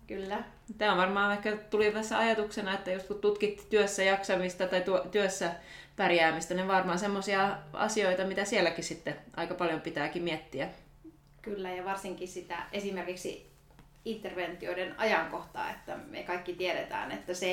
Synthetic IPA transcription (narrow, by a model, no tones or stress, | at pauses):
kylːæ | t̪æːoʋɑrmɑːʋɑikːæt̪ulit̪æsːæɑjɑt̪uksenɑet̪ːæjost̪kut̪t̪ut̪kit̪ːt̪yøsːæjɑksɑmist̪ɑt̪ɑit̪uot̪yøsːæ | pærjæːmist̪ɑniʋʋɑrmɑːsemːosiɑɑ̰sioit̪ɑmit̪æsielːækissit̪ːeʔɑ̰ikɑpɑljompit̪æːkimmiet̪ːiæ | kylːæjɑʋɑrsiŋkisit̪æʔesimerkiksḭ | int̪ːerʋent̪ioidenɑ̰jɑŋkoht̪ɑ̰ːḛt̪ːæmḛkɑikːit̪ieɾet̪æ̰ːnḛt̪ːæse